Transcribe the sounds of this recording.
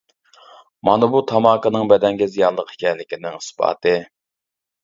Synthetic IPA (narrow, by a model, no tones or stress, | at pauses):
mɑnɨbut̪ʰɑmɑːkənɨŋbɛd̪ɛŋɡʲizijɑlˠəqi̥kʲʰɛnlɪkʲinɪŋi̥spɑ̰ːt̪ʰɨ